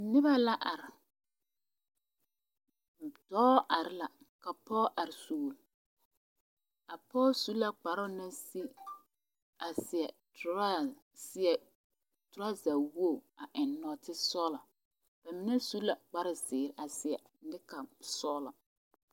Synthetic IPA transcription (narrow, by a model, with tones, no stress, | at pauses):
nɪ˦ba˦la˦ʔa˨ɾɪ˨ | d̥ɔː˦ʔa˨ɾɪ˦la˨ | ka˨pɔ˦ʔa˨ɾɪ˨suː˨l | a˨pɔ˦su˦la˨k͡pa˨ɾʊ˦na˦si˦ | a˨sɪ˨ɛ˨ | ɾa˦ | sɪ˦ɛ˨ | tʊ˨ɾa˦za˨wo˦˨a˨ʔɪ˨nːɔ˨tɪ˦sɔː˦la˨ | b̥a˨mɪ˦nɛ˦su˦la˨k͡pa˨ɾʊ˦sɪː˨ɾɪ˨ʔa˨sɪ˨ɛ˨˦nɪ˦ka˨sɔ˦la̰˨